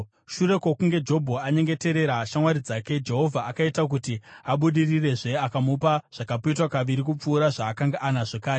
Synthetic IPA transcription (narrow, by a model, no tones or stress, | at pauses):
ʃuɾe̞kwokuŋɡe̞d͡ʒo̞bʱoaɲe̞ŋɡe̞te̞ɾe̞ɾaʃamwaɾid͡zaːke̞d͡ʒe̞ɦo̞vʱaakaitak̬utiaɓuɗirire̞ʐe̞akamupaʐ̥akapoitwakaʋiɾikup͡fuːɾaʐaːkaŋɡaʔanaʐekaːɾe